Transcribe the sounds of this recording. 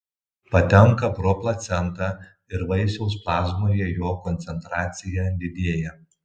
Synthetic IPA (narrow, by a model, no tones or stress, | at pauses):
pɐt̪ʲɛŋkɐpɾɔplˠɐt̪sʲɛnˑt̪ɑː | ɪɾʋɐɪsʲɛʊsplˠɑːzmoːjɛːjoːkɔnʲt̪sʲɛnt̪ɾɑːt̪sʲɪjɛd̪ʲɪd̪ʲeɛjɛ